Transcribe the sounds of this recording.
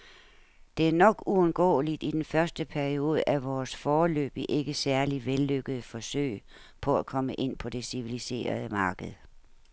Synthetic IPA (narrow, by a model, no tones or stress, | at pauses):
d̥e̝æɐnɒ̽ɡ̥uɔ̽nɡ̥ɔ̰ːlid̥id̥enfɶɐsd̥əpʰæɐio̝ːð̞̩ˠəʔæʋɒːsfɒːlø̰ːb̥iʔe̝ɡ̥əsæɐliʋelːøɡ̥əð̩ˠfɒ̽sø̰ɪ̰ | pʰɒ̽ækʰɒ̽məʔe̝n̰pʰɒ̽d̥e̝siʋilise̝̰ːɐð̞ˠəmɑ̈ːɡ̥əð̩ˠ